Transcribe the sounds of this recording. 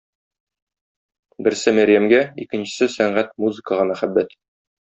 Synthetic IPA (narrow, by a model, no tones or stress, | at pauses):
bɘ̆ɾsɘmæɾʲjæmɡæikɘ̆nɕɘ̆sɘsæɴɢæt̪muzɘ̆kəʁɤ̆nɑχæbːæt̪